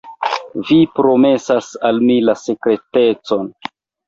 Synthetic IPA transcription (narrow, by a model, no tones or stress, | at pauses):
vipɾo̞me̞sasalmilase̞kɾe̞te̞t͡so̞n